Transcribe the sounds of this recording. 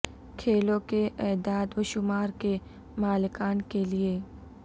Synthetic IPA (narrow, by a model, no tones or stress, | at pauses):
kʰeːlõkeʔɛːd̪aːd̪ʋɐʃʊmaːɾke | maːlɪkaːnkelie